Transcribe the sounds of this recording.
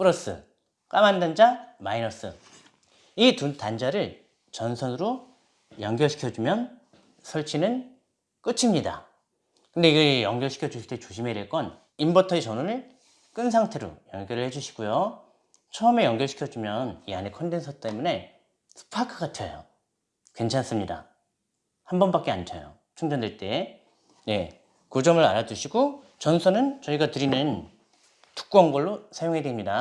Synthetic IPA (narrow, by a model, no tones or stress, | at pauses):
p͈ɯɾʌs͈ɯ̰ | k͈amandand͡ʑamainʌs͈ɯ̰ | itutand͡ʑaɾɯɭ | t͡ɕʌnsʰʌnɯɾo | jʌŋɡjʌɭɕʰi̥kʰjʌd͡ʑumjʌn | sʰʌɭt͡ɕʰinɯn | k͈ɯt͡ɕʰimɲida̰ | kɯndeiɡejʌŋɡjʌɭɕʰikʰjʌd͡ʑuɕsʰiɭt͈et͡ɕoɕʰime̞iɾeɭk͈ʌn | imbʌtʰʌet͡ɕʌnunɯɭ | k͈ɯnsʰaŋtʰe̞ɾo̰jʌŋɡjʌɾɯɭhe̞d͡ʑuɕʰi̥ɡ̥ujo | t͡ɕʰʌʌme̞jʌŋɡjʌɭɕʰi̥kʰjʌd͡ʑumjʌnianekʰʌndensʰʌt͈e̞mune̞ | sʰɯ̥pʰakʰɯɡatʰʌjo | kwe̞nt͡ɕʰans͈ɯmɲida̰ | hambʌnbak͈e̞ant͡ɕʰʌjo̰ | t͡ɕʰuŋd͡ʑʌndweɭt͈e̞ | je̞ | kod͡ʑʌmɯɾaɾad͡ʑuɕʰiɡo | t͡ɕʌnsʰʌnɯnt͡ɕʌiɡatɯɾinɯn | tu̥k̚k͈wanɡʌɭːosʰajoŋɦe̞dwemɲida